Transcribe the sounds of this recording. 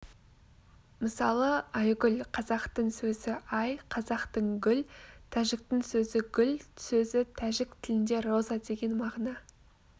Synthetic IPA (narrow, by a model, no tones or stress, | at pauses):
məsɑlˠəɑjɡʲʏlqʰɑzɑqt̪əɴsɵzɪʔɑjqʰɑzɑqt̪əɴɡʲʏlt̪ʰæʒɪk̚t̪ɪŋsɵzɪɡʲʏlsɵzɪt̪ʰæʒɪk̚t̪ʰɪlɪnd̪e̞ɾo̞zɑd̪e̞ɡʲe̞nmɑʁnɑ